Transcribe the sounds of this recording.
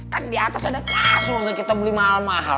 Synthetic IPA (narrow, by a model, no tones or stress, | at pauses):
kandiat̪asadaklasʊnakit̪abəlimaɦalmaɦa̰l